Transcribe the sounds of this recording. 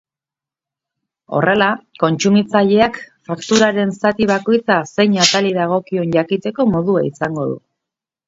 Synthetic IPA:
o̞̰re̞lako̞nt͡sumit͡saʎe̞akfakt̪uɾaɾe̞nsat̪iβako̞jt͡sase̞ɲat̪aliðaɣ̞o̞kio̞nʝakit̪e̞ko̞mo̞ðuaisaŋɡo̞ðṵ

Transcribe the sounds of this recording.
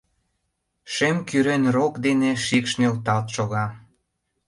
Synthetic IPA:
ʃemkyɾenrokd̪eneʃikʃnelt̪ɑlt̪ʃoɣɑ

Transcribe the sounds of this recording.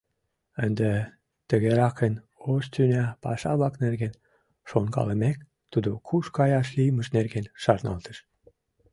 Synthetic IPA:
ənd̪e | t̪əɣeɾɑkən | oʃt̪ynʲæpɑ̰ʃɑβlɑknerɣen | ʃonkɑ̰ləmek | t̪ud̪okʰuʃkɑjɑʃlijməʃnerɡenʃɑrnɑ̰lt̪əʃ

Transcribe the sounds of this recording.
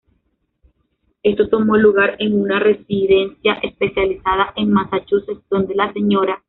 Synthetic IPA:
e̞st̪o̞t̪o̞mo̞luɣaɾe̞ŋunare̞siðe̞nsjaʔe̞spe̞sjalisaðaʔe̞ŋmasat͡ʃose̞sdo̞nd̪e̞lase̞ɲo̞ɾa

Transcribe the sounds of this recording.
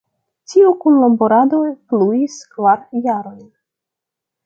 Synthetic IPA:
tiukunlomboɾadojpluiskvaɾjaɾo̞jn

